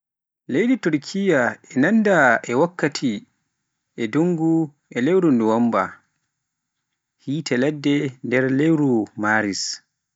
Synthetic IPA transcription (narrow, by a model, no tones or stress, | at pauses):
lejdituɾkʰijaɛnandaʔɛwakːatʰi | ʔɛduŋɡu | ɛlewɾunduwamba̰ | hiːtʰɛlɛdːɛndɛɾlewɾumaɾis